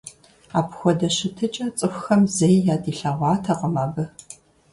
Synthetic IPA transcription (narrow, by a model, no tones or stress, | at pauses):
aːpxʷɔdɐɕɨtʰɨt͡ʃʼɐt͡sʼɨxʷxɐmzɐjjaːdiːɬaʁʷɑːtʰɐqəmaːɡɨ